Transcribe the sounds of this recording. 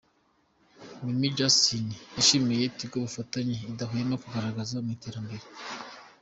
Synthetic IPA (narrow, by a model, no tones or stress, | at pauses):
mimid͡ʒasiniaʃimejetib̚ɡoβufataɲeidaɦujenokuɡaɾaɡazamŋite̞ːɾambe̞ɾe